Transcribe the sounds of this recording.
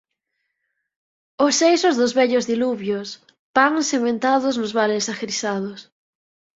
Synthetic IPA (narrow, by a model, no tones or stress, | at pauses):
osejsozðʊzβɛʎozðiluβjos | paŋsemẽnt̪aðʊznʊzβaɾesaxɾisað̞ʊs